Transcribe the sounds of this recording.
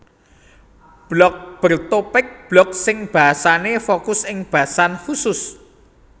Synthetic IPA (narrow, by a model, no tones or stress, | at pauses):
b̥lɔk̚b̥ərt̪opɪk̚b̥lɔk̚sɪŋb̥a̤sanefokʊsɪŋb̥a̤sanhusʊs